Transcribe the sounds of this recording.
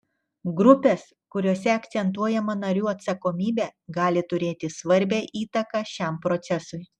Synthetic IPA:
ɡɾʊpʲeːs | kʊɾʲoːsʲɛɐkt̪sʲɛnt̪̬uɔjɛmɐnɐɾʲuːɐt̪sɐkoːmʲiːbʲeːɡɑːlʲɪt̪ʊɾʲeːt̪ʲɪsʋɐɾʲbʲɛʔiːt̪ɐkɑːʃʲɛmpɾɔt̪sʲɛsʊɪ

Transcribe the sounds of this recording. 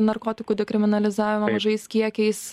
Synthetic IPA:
nɐɾkoːt̪ʲɪkuːd̪ʲɛkɾʲɪmʲɪnɐlʲɪzɑːʋʲɪmɐmɐʒɐɪskʲiɛkʲɛɪs

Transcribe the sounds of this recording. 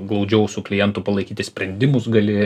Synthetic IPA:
ɡlˠɐʊd͡ʒʲɛʊsʲuklʲɪjɛnt̪upɐlˠɐɪkʲiːt̪ʲɪsʲpʲɾʲɛnʲd̪ʲɪmʊsɡɐlʲɪ

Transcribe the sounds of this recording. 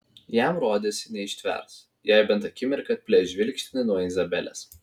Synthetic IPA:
jæˑmɾoːd̪ʲesʲɪnʲɛɪʃʲt̪ʲʋʲɛ̰ˑɾs | jæɪbʲɛnt̪ɐkʲɪmʲɪɾkɐt̪̚ʲpʲlʲɛʒʲʋʲɪlʲkʃʲt̪ʲnʲɪnuɔɪzɐbʲɛlʲɛ̰s

